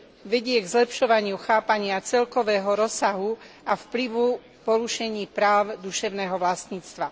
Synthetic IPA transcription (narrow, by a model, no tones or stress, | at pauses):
ʋɛɟɪɛɡzlɛpʃɔʋaɲɪuxaːpaɲɪat͡sɛlkɔʋɛːɦɔɾɔsaɦu | afpliʋu | pɔɾuʃɛɲiːpɾaːʊd̪uʃɛʊnɛːɦɔʋlast̪ɲiːt͡st̪ʋa